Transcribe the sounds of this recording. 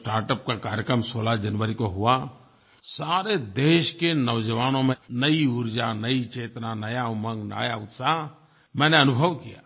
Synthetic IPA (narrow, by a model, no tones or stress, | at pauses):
ʈaːɾʈəp̚kakaːɾjəkɾəmsoːlad͡ʒənʋəɾikoɦua | saːɾed̪eːʃkenəʋd͡ʒəʋaːnõmẽnəiʊɾd͡ʒanəit͡ʃeːt̪nanɐjamə̃ŋɡna̰jaʊt̪sa | mɛ̃ːneɐnʊbʱəʋkija̰ː